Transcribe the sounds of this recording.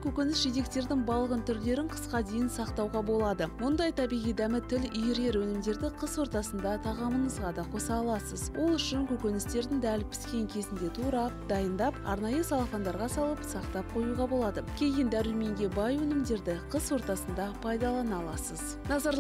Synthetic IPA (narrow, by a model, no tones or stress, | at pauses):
kʲʰɵkʲenɪsʒet̪̬e̞kt̪e̞ɾd̪ɪŋbɑlˠəʁənt̪ʰʏɾle̞ɾɪŋqʰə̥sqɑd̪e̞jɪnsɑqt̪ɑwʁɑbo̞lˠɑd̪əmʊnd̪ɑjt̪ʰɑbijʁijd̪æmɪt̪ʰɪlʏjɪɾe̞ɾwɵnɪmd̪e̞ɾd̪ɪqʰəswo̞ɾt̪ɑsənd̪ɑt̪ʰɑʁɑmənəzʁɑd̪ɑqʰo̞sɑːlˠɑsəzwʔo̞lˠʏʃɪŋkʲɵkʲenɪst̪e̞ɾd̪ɪŋd̪ælpʲʰɪ̥skʲe̞ŋkʲʰe̞zɪnd̪e̞t̪ʰuɾɑd̪ɑjənd̪ɑpɑ̰ɾnɑjəsɑlˠɑfond̪ɑɾʁɑsɑlˠəpsɑq̚t̪ɑp̚qʰo̞juʁɑbolˠɑd̪əkʲʰe̞jɪnd̪æɾylme̞ŋɡʲe̞bɑjwɵnɪmd̪e̞ɾd̪ɪqʰəswo̞ɾt̪ɑsənd̪ɑpʰɑjd̪ɑlˠɑnɑlˠɑsəz | nɑzɑɾ